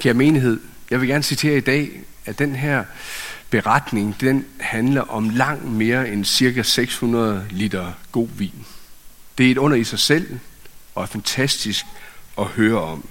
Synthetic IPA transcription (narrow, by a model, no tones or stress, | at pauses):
kʰæɐme̝ːniɦe̝ð̰ˠjɑʋe̝ɡ̥æɐnəsit͡sʰe̝̰ːɐid̥ɛ̰ː | æd̥enɦæɐ̰b̥e̝ʁɑd̥ne̝ŋd̥enhænlɐʔɒ̽mlɑ̈ŋ̰d̥me̝ːɐensiɐkæseɡ̥shunɐð̞̩ˠlid̥ɐɡ̥o̝̰ːʋḭːnd̥e̝æɐe̝d̥ɔ̽n̰ɐisɑ̈ɪsel̰ɒ̽æɐfænt͡sʰæsd̥isɡ̥ɒ̽høːɐɒ̽m̰